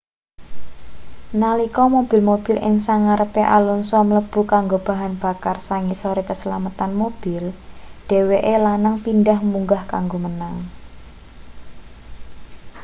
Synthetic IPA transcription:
nalikɔmob̥ɪlmob̥i̤lʔɪ̰ŋsaŋaɾəpeʔalɔnsɔmələb̥ṳkaŋɡob̥a̤ɦanb̥a̤karsaŋisoɾekəsəlamət̪anmob̥ɪlɖ̥e̤weʔelanaŋpindahmuŋɡahkaŋɡomənaŋ

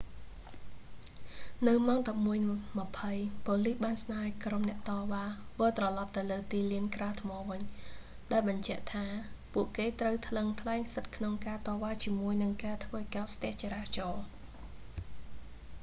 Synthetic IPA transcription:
nɨwmaɔŋɗɑp̚muəjmə̆pʰəjpŏːlihɓaːnsnaːjkromnɛ̆əʔt̪ɑːʋaːʋəːlt̪rɑlɑp̚t̪ɨwləːt̪iːliənkraət̪ʰmɑːʋɨɲ | ɗaɛlɓɑɲt͡ɕɛ̆əʔt̪ʰaːpuəʔkeːt̪rəwt̪ʰləŋt̪ʰlaɛŋsət̪̚kʰnoŋkaːt̪ɑːʋaːt͡ɕiəmuəjnɨŋkaːt̪ʰʋəːkaɔt̪̚st̪ɛ̆əht͡ɕaːɾaːht͡ɕɑː

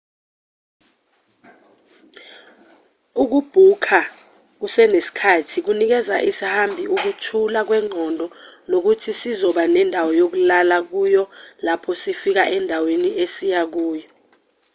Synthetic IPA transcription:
uk̬ub̥ʱukʰa | k̬usɛnesi̥kʰatʰik̬unik̬ɛza̰ʔisihambʱiuk̬utʰulak̬wɛŋ͡ǀʱɔndʱɔnok̬utʰisizɔɓanɛndʱawɔjok̬ulalak̬ujɔlapʰɔsifik̬aʔɛndʱaweniesijak̬uːjɔ

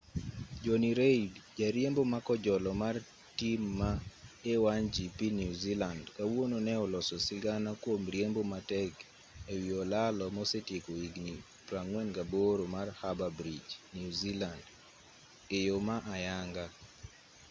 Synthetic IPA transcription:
d͡ʒoniɾeidd͡ʒaɾjembomakɔd͡ʒɔlɔmar | timːaewand͡ʒipinjuzilandkawononɛɔlɔsɔsɪɡanakwomɾjembomatɛk | ewiɔlalɔmɔsetjekoiɡni | pɾaŋwɛnɡaboɾomarhababɾid͡ʒnjuziland | ɪjomaʔajaŋɡa

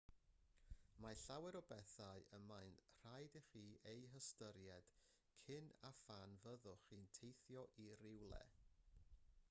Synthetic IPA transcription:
maɬawɛɾɔbɛθaɨəmajnr̥ajdiχiːʔejɦəstəɾjɛd̥ | kʰɪnafanvəðʊχiːntʰejθjɔʔirɪwlˠɛ̰

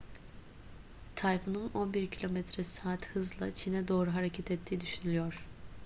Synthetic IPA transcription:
t̪ʰajfununo̞nbiɾcʰilʲo̞mɛt̪ʰɾɛsaːt̪hɯzlˠa̰t͡ʃʰinɛd̪o̞ːɾuɦaɾecʰɛt̪ʰɛt̪ʰːiːd̪yʃynylʲyjoɾ̥

